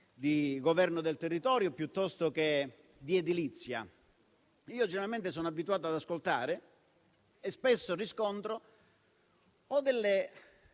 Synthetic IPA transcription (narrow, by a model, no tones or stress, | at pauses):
d̪iɡovɛrnod̪elt̪erːit̪ɔːɾjopjut̪ːɔst̪oke | d̪ied̪ilit̪sːja̰ | iːod͡ʒeneɾalment̪es̬ɔːnoabːit̪uaːt̪oad̪askolt̪aːɾɪ | espesːoriskont̪ɾo | ɔd̪elːe